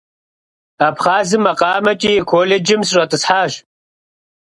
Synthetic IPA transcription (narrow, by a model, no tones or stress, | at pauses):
ɐpχaːzɨmɐqʼɑːmɐtʼiːkʰoːled͡ʒɪmsɨɕʷʼɐtʼɨsħaːʒ